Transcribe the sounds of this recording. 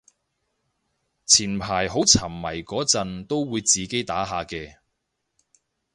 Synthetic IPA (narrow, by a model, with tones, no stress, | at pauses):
t͡sʰiː˨˩npʰaː˨˩jɦo˨˥wt͡sʰɐ˨˩mːɐ˨˩jkɔː˨˥t͡sɐ˨˧nt̪o˥wwuː˨˧jt͡siː˨˧ke˨˥jt̪aː˨˥ɦaː˨˧kɛː˧